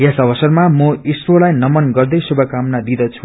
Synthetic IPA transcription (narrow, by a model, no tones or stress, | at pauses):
jesʌbʌsʌrmamʌisrolajnʌmʌnɡʌrd̪ʌjsubʱʌkamnad̪id̪ʌt͡sʰu